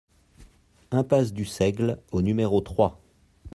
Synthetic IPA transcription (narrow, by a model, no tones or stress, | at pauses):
ɛ̃pasd̪ysɛɡlonymeʁot̪χwa